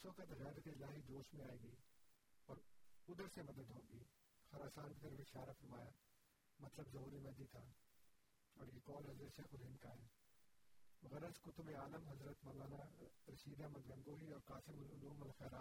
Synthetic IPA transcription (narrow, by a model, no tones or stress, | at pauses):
soːkət̪ɣɛːd̪t̪eɪlaːɦid͡ʒ̪oːʃmẽaːiːɡɐi | ɐːɾʊd̪əɾsẽmɐd̪əd̪ɦõːɡiː | xɐɾaːsaːnkɪt̪ɐɾʋɪʃaːɾafɐɾmaːjaː | mɐt̪ləbzɐɦuːɾimɐ̃d̪it̪ʰaː | ɐːɽkikɔːlɦɐzɾət̪ʃɐːxʊɾɦɪ̃nkaːɦɪn | ɣɐɾəzkʊt̪ʰʊbeaːləmɦɐzɾət̪mɐlaːnaɾɐʃiːd̪amɐ̃nɡɐ̃ŋɡoːɦiɔːɾkaːsɪmʊlʊluːmɐlxɛːɾaː